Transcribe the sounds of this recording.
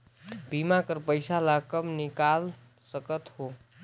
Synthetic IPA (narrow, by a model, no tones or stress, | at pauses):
bimakəɾpəjsalakəmnikal | səkət̪ho